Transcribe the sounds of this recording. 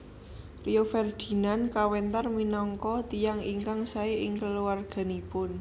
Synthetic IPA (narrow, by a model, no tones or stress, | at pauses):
riofɛrd̪̥i̤nankawɛnt̪arminɔŋkɔt̪ijaŋiŋkaŋsaeʔɪŋkəluwarɡ̥a̤nipʊn